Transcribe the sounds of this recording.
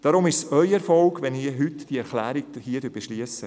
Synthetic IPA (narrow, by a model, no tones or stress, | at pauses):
d̥ɑɾʊmɪʃsœʏɛɾfɔlɡʋɛniɦʏtd̥iəɛɾχlæːɾik̚hiːədyːɾb̥eʃliəsːə